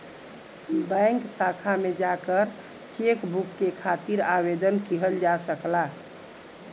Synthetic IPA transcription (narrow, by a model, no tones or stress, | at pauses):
bãɪŋksakʰamed͡ʒakəɾ | t͡ʃekbukːekʰat̪iɾabed̪ənkiɦəld͡ʒasəkla